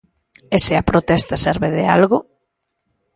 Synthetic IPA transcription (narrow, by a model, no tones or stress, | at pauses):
esɪɐpɾot̪ɛst̪ɐsɛɾβeðɪa̰lɣo